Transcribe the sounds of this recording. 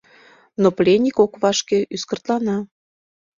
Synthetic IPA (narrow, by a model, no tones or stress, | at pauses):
noplʲenʲikokβɑʃkeʔyskə̆rt̪lɑnɑ